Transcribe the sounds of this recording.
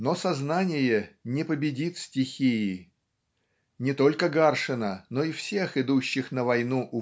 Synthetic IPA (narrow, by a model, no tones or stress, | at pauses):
no̞sɐznanʲɪjənʲɪpəbʲɪdʲit̪sʲtʲɪxʲijː | nʲɪt̪o̞lʲkəɡarʂɨnəno̞ɪfsʲe̞xɪd̪uɕːɪxnəvɐjnuʔʊ